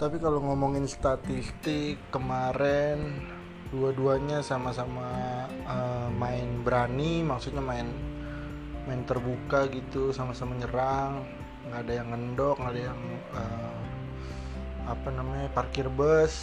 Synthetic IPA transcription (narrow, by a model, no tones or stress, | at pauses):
t̪apikaloŋɔmɔŋɪnst̪at̪ist̪ɪkːəmaɾɛn | duaduaɲasamasama | əmaɪnbəɾanimaksut̪̚ɲamaɪn | maɪnt̪ərbukaɡit̪usamasamaɲəɾaŋː | ɡaːdajaŋːəndɔk̚ŋɡadajaŋ | əm | apanamaɲaparkɪrbəs